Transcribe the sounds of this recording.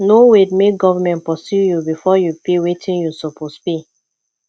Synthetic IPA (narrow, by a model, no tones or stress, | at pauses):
nowedmeɡɔvamɛ̃ntpɔsjujubifɔjupiwetʰĩnjusɔpospi